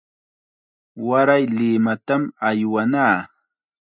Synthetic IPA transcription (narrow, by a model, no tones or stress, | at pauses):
waɾajlɪmat̪amajwanaː